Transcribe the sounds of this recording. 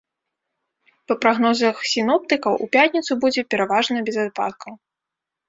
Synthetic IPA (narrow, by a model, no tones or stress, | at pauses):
pɐpɾaɣnɔzɐxsʲinɔp̚t̪ɨkɐwʔṵpʲat̪ʲnʲit̪subud͡zʲɛpʲɛɾavaʐnɐbʲɛzat̪̚pa̰t̪̚kɐw